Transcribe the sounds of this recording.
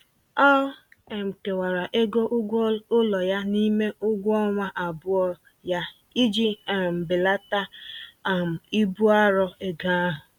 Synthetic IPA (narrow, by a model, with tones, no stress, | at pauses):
ɔ˦e˨m̩˨ke˨wa˨ɾa˨ʔe˦ɡo˦ʔʊ˦ɡʷʊ˦lɔ˨ja˦ni˦me˦ʊ˦ɡʷɔ˦ŋʷa˦ʔa˨bʊ˦ɔ˦ | ja˦ | i˦d͡ʒi˦˨m̩˨bɪ˨la˦ta˦˨ | m̩˨i˦bu˦a˦ɾɔ˦e˦ɡa˦ɦʊ˨